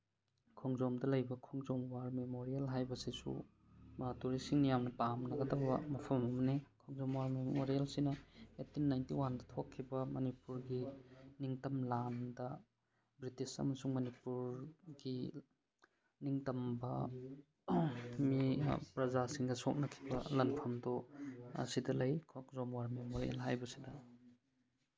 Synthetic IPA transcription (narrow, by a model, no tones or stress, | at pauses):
kʰɔŋzomdɐlɐjbɐkʰɔŋzomwaɾmemoɾielɦajbɐsisṵ | mɐtuɾisiŋnijamnɐpamnɐɡɐdɐbɐmɐpʰɐmɐmɐnekʰɔŋzomwaɾmemoɾijalsinɐetinːajntiwandɐtʰokʰːibɐmɐnipuɾɡiniŋtɐmlandɐ | bɾitisɐ̰mɐsuŋmɐnipuɾɡi | niŋtɐmbɐ | mipɾɐzasiŋdɐsok̚nɐkʰi̥bɐ̰lɐnpʰɐmdɔ̰ | sidɐlɐjkʰok̚zomwaɾmemoɾḛlɦajbɐsidɐ